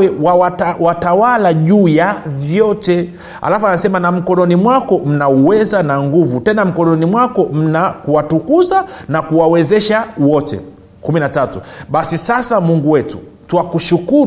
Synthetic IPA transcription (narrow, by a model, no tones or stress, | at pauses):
ɛwawatawatawalaʄujavjɔtɛ | a̰lafuanasɛmanam̩kɔnɔnimwakɔm̩nauwɛzanaŋɡuvutɛnam̩kɔnɔnimwakɔm̩nakuwatukuzanakuwawɛzɛʃawɔtɛ̰ | kuminatatuɓasisasamuŋɡuwɛtṵ | tuwakuʃukuɾ